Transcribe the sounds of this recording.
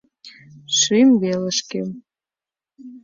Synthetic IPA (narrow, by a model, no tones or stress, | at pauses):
ʃymβelĕʃkem